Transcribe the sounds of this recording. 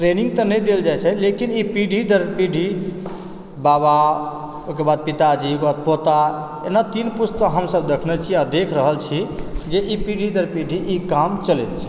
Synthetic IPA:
ʈɾeniŋɡ̚t̪ənəjd̪eld͡ʒajt͡ʃʰɛlekinipiɖʱid̪əɾpiɖʱi | baβa | okebad̪̚pit̪ad͡ʒikbad̪̚pot̪a | ḛnat̪inpust̪əɦəmsəbd̪ekʰnɛt͡ʃʰiad̪ekʰɾəɦəlt͡ʃʰid͡ʒeʔipiɖʱid̪əɾpiɖʱiʔikamt͡ʃəlet̪t͡ʃʰɛ̥

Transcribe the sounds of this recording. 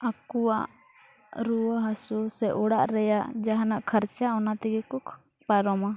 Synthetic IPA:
akuwaʔ | ɾuwaɦasusɛʔɔɽaʔɾɛjaʔd͡ʒaɦanaʔkʰəɾt͡ʃaɔnat̪ɛɡɛkɔkʰ | paɾɔma

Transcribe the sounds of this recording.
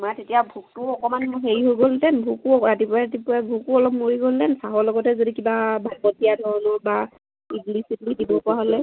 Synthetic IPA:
maɹtetijabʱuk̚tʊɔkɔmanmɦeɹiɦojɡoltɛnbʱukuɹatipɔɹaatipʊɹabʱukuɔlɔp̚moɹiɡoltɛnsaɦɔɹlɔɡɔtɛzodikibabʱalbɔtijadʱɔɹɔnɔba | iplisitlidibɔpɔaɦolɛ

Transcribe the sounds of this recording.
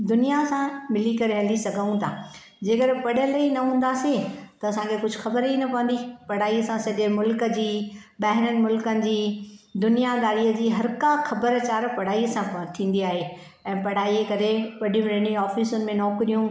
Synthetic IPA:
d̪ʊnijasãmɪlikɐɾeɦə̃ld̪isɐɡʱaũt̪ʰaː | d͡ʑeːkəɾɪpɐɽ̤ə̃lɐinɐɦũːn̆d̪asĩt̪ɐɐsãkʰekʊd͡ʑʱʊxɐbəɾɦinɐpɐʋə̃nd̪ipɐɽ̤aːiəsãsɐʄemʊlkə̆d͡ʑiːɓɐɦɪɾənɪ̆mʊlkənɪ̆d͡ʑiːd̪ʊnijad̪aːɽiəd͡ʑiːɦɐɾkaxɐbəɾt͡ɕaːɾpɐɽ̤aːiəsãt̪ʰĩːnd̪iaːɦe | ɛ̃ːpɐɽ̤aːiekɐɾepɐɽɪm̃ɾɐɽ̃iɔːfiːsʊnɪ̆mẽnɔːkɾijũ

